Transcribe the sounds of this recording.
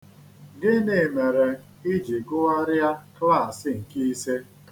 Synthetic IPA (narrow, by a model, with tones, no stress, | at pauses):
ɡɪ˦ne˨me˨ɾe˨ | i˦d͡ʒi˨ɡʊ˦a˦ɾɪ˦a˦kla˦˨sɪ˦ŋ̩˨ki˦i˦se˦